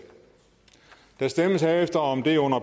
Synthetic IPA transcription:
d̥æsd̥eməsæefd̥ɐɒ̽md̥e̝ɔ̽n̰ɐb

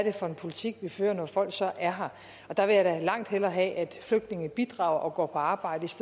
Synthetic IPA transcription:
ɐɾ̥e̝fɒ̽e̝npʰo̝lit͡sʰiɡ̥ʋifø̰ːɐnɒfɒ̽l̰ɡ̥sɒ̽ʔæɐɦɑ̈ | ɒ̽d̥ɑ̈ʋe̝jɑɾ̥ælɑ̈ŋ̰d̥helɐːɦɛ̰ʔæd̥fløɡ̥̚d̥ne̝ŋnəb̥id̥ʁɑ̰̈ːʊ̰ɐʔɒ̽ɡ̥ɒ̰ːpʰɒ̽ɑ̈ːb̥ɑ̈ɪ̰d̥əisd̥e

